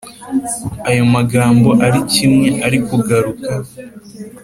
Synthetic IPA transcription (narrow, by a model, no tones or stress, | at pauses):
ajo̞maɡaːmbo̞ʔaɾicimŋe̞ʔaɾikuɡaɾuka